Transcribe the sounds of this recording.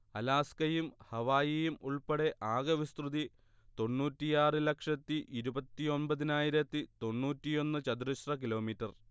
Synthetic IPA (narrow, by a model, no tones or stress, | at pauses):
ɐlaːskɐjumhɐʋaːjijumuɭpɐɽe̞ʔaːɡɐʋist̪ruði | t̪o̞nːuːtːijaːrɨlɐkʂɐt̪ːiʔiɾubɐt̪ːio̞nbɐðinaːjiɾɐt̪ːit̪o̞nːuːtːijo̞nːɨt͡ɕɐd̪uɾiɕrɐk̬ilo̞ːmitːɐr